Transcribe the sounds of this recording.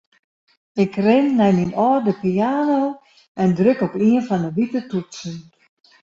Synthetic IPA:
ɪkrɪnːɛjminɔːdəpiaːnoː | ɛndrøkɔpiənfɔnəʋitətutsən

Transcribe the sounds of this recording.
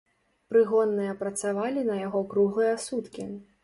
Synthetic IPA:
pɾɨɣɔnːɨjɐpɾɐt̪savalʲinɐjaɣɔkɾuɣˠɨjɐasut̪kʲi

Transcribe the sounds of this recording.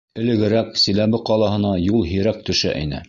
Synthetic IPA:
ɘ̆lɘ̆ɡɘ̆ɾæksĭlæβɘqɑlˠɑɦɤ̆nɑjulˠɦiɾæk̚t̪ɵ̆ʃæ̰ʔḭnɘ̰

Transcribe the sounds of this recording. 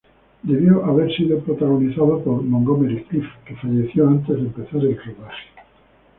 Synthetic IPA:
d̪e̞βjoʔaβeɾsiðopɾot̪aɣ̞oniθaðopoɾmõŋɡomeɾest̪ifkefaʝeθjoant̪e̞zðempeθaɾelkoβaxe̥

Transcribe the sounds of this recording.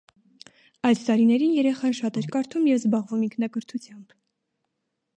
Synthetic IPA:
ɑjst̪ɑɾinɛɾinjɛɾɛχɑnʃɑt̪ɛɾkɑɾt̪ʰumjɛvzbɑʁvumiŋkʰnɑkəɾt̪ʰut͡sʰjɑmb̥

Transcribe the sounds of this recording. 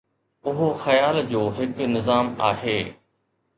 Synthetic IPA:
ʊɦoxɐjaːld͡ʑoːɦɪknɪzaːma̰ːɦeː

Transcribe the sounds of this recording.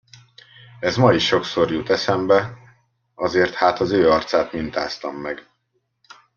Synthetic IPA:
ɛzmɒiʃo̞kso̞rjut̪ɛsɛmbɛ | ɒzeːrt̪haːt̪ɒzøːɒrt̪saːt̪mint̪a̰ːst̪ɒmːɛɡ

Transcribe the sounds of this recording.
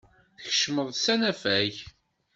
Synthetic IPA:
çə̥ʃməðˤsænæfæç

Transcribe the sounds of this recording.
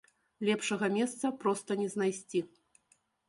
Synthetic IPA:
lʲɛpʂɐɣɐmʲɛst̪sɐpɾɔst̪ɐnʲɛznajsʲt͡sʲi

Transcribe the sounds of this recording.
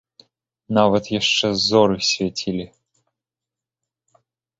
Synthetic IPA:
navɐt̪jaʂt͡ʃɛzɔɾɨxsʲvʲɛtʲʰilʲɪ

